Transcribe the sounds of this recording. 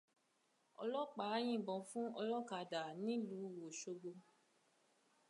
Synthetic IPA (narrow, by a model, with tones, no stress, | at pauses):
ɔ̰˧lɔ˦k͡pa˨˦j̃ĩ˦˨bɔ̃˨fũ˦ɔ˧lɔ˦ka˨da˨nĩ˨˦lu˨˦˨wo˨ʃo˧ɡ͡bo˧